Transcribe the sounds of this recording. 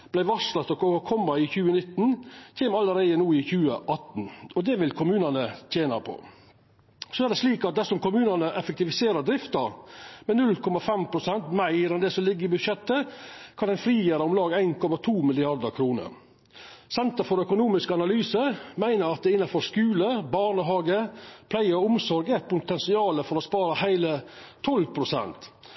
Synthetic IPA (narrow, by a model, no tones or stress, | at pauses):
b̥læɪʋɑslɑt̪ɔkoːəkʰɔmːɑɪçʉːənɪt̪n̩çʰeːmɑləɾæɪənuːɪçʉːə̰ʔɑt̪n̩ɔd̪ɛʋɪlkʰʊmʉːnɑnət̪ʰjeːnɑpʰɔ̰ | sɔæɖ̪ɛsliːkɑt̪̚d̪ɛsɔmkʊmʉːnɑnəʔɛfɛk̚t̪ɪʋɪseːɾəd̪ɾɪft̪ɑɾmɛnʉlkʰɔmɑfɛmpʰɾʊsɛnt̪mæɪɾɛnd̪ɛsɔmlɪɡːəɾɪbʉd̪ʃɛt̪ːəkʰɑnɛnfɾiːjəɾəʊmlɑːɡæɪnkʰɔmɑt̪ʰuːmɪlɪɑɾd̪əɾkʰɾuːnə̰ɾ | sɛnt̪əfɔɾœkʊnuːmɪskəɑnɑlyːsəmæɪnəɾɑt̪̚d̪ɛɪnːɑfɔɾskʉːləbɑɳəɦɑːɡəpʰlæɪəɔʊmsɔɾɡɛt̪pʰʊnt̪ɛnsɪɑːləfɔɾɔspɑːɾəhæɪlət̪ʰɔlpʰɾʊsɛ̰nt̪